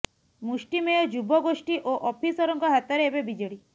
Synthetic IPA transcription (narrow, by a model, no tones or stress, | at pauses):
musʈimejɔd͡ʒubɔɡosʈiʔoʔɔpʰisɔɾɔŋkɔɦat̪ɔɾeebebid͡ʒɔɽi